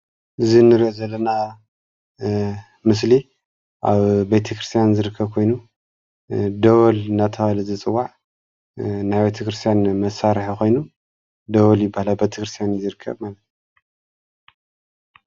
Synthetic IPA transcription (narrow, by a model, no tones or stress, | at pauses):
ʔɨzinɨɾozɐlːɐna | mɨs̬li | ʔa̰βbet̪ʰɐkɾɨst̪ʰjanzɨɾɨkʰːɐβkʰo̞jnu | d̪ɐwolɨnat̪ʰɐalɨzɨt͡sʼɨwːaʕ | najbet̪ʰɐkɾɨst̪ʰjanmɐsaɾħakʰo̞jnu | d̪ɐwɐljɪbːahalabet̪ʰɐkɾɨst̪ʰijanzɨɾɨkʰːɐ̰βmalɐt̪